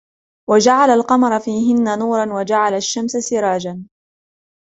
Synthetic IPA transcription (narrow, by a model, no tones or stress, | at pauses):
wad͡ʒaʕalalqɑmɑɾˤfiːɦɪnːanuːɾˤɑnwad͡ʒaʕalaʃːamsasɪɾˤɑːd͡ʒan